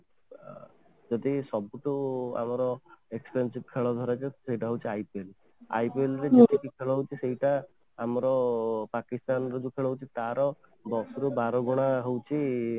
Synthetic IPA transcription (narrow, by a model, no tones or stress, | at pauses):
d͡ʒɔd̪isɔbuʈua̰mɔɾɔekspensib̚kʰeɭɔd̪ʱɔɾat͡ʃʰesejʈaɦowt͡ʃʰiajpel | a̰jpelɾed͡ʒetikikʰeɭɔɦowt͡ʃʰisejʈaː | mɾɔpakist̪anɔɾɔd͡ʒukʰeɭɔɦowt͡ʃʰit̪aɾɔ | bɔksɾubaɾɔɡuɽ̃aɦowt͡ʃʰi